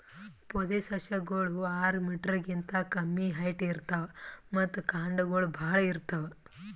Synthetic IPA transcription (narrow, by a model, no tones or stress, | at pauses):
pɔd̪esɐʃɐɡoɭuaːɾmiːʈɾɐɡint̪ɐkɐmːiɦɐjʈiːɾt̪ɐʋemɐt̪ːukaːɳɖɐɡɐɭubʱaːɭɐiɾt̪ːɐʋe